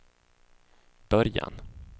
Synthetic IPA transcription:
b̥œɾja̰n

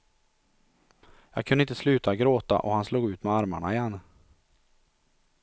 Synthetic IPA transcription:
jɑːɡ̚kʰɵnɪnt̪ə̥slʉːt̪aɡɾoːt̪a̰ʔɔhansluːɡʉ̟ːt̪mɛaɾma̰ɳaɪjɛnː

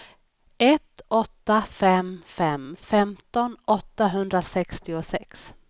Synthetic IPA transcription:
ʔɛt̪ɔt̪ːafɛmfɛmfɛmt̪ɔnɔt̪ːaɦɵnd̪ɾasɛkst̪ɪʊsɛks

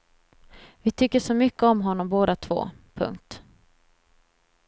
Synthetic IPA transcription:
vɪt̪ʰʏkːəʂɔmʏkːəɔmɦɔnːɔmboːd̪at̪ʰv̥o̰ː | pʰɵ̰ŋkt̪

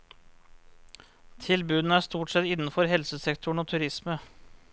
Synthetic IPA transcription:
t̪ʰɪlbʉːd̪nəæːʂt̪uːʈsɛt̪ɪnn̩fɔɾɦɛlsəsɛkt̪ʰʊɳ̩oːt̪ʰʉɾɪsmə

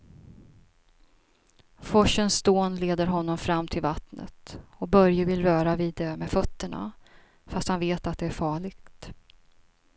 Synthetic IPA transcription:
fɔʂːənsd̪oːnleːd̪əɾɦɔnːɔmfɾamːt̪ʰɪlvat̪nə̰t̪ɔk̚bœɾjəvɪlɾœːɾaviːd̪ɛmɛfœt̪ːəɳa̰ | fast̪hanveːt̪at̪̚d̪ɛæɾfɑːɭɪɡt̪

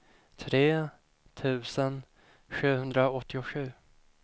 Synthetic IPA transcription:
t̪ʰɾeː | t̪ʰʉ̟ːsən | ɧʉ̟ːhɵnd̪ɾaɔt̪ʰːɪʊɧʉ̟ː

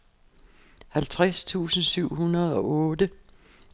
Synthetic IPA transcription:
hælt͡sʰʁast͡sʰṵːsn̩syʊ̰hunɐð̞ˠɒ̽ɔ̽ːd̥ə

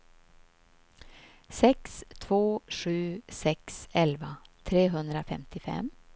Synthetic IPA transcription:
sɛkst̪ʰvoːʂʉ̟ːsɛksɛlvat̪ʰɾeːɦɵnd̪ɾafɛmt̪ɪfɛ̰m

